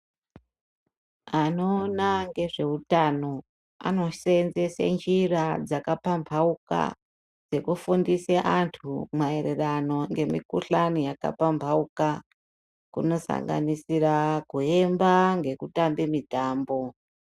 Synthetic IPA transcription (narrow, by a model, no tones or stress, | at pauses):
ano̞ːnaŋɡe̞ʐe̞utano̞ | a̰no̞ʃenzesḛnd͡ʒirad͡zakapampʰauka̰ | d͡ze̞kufundiseʔantʰumaeɾerano̞ŋɡe̞mḭkuɬanijaka̰pampʰauka | kuno̞sa̰ŋɡa̰nisirakue̞mbaŋɡe̞kutambemitaːmbo̞